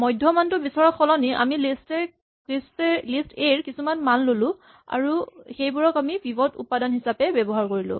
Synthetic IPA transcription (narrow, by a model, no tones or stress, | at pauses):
mɔjdʱjɔmantʊbisɔɹɔkxɔlɔniʔa̰milistɛ | istlisteɹkisumanmanlolʊ̃ | a̰ɹuxejbuɹɔkamibibɔtṵpadanhisapɛbɛbɔɦaɹkoɹilʊ̰̃